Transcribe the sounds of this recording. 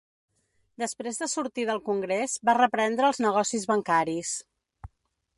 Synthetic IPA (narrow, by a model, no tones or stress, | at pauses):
d̪əspɾezðəsuɾt̪iðəlˠkuŋɡɾezβarəpɾɛnd̪ɾəːlˠznəɣɔsizβəŋkaɾis